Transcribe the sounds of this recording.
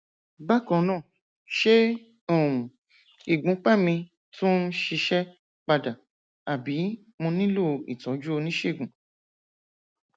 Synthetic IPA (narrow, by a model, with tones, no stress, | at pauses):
ba˦˨kɔ̃˦˧nãː˦˨ | ʃe˦ | o˦˨ũ˨ | i˨ɡ͡bũ˨˦k͡pɛ˦mĩ˧ | tũ˦n̩˦ʃi˧ʃɛ˦ | k͡pa˧da˨ | a˨bi˨˦ | mõ˧nĩ˦lo˦˨ḭ˨tɔ˨˦d͡ʒu˦o˧nĩ˦ʃe˦i˦˨ɡũ˨˦